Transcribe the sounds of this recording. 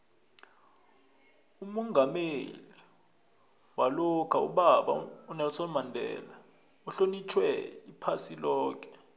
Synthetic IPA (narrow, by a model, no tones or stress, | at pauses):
umɔŋɡʱameli | walɔkʰaṵɓaɓa̰unalɔsɔmandʱɛ̰ːla | uɬonit͡ʃʰwɛ̰ipʰasilɔːk̬ʼɛ̥